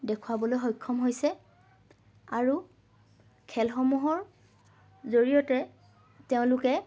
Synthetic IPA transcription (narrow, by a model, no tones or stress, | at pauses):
dɛkʰuwabɔlojɦɔjkʰːɔmɦojsɛ | aɹu | kʰɛlxɔmuɦɔɹ | zoɹijɔtɛ | teʊ̃lʊkɛ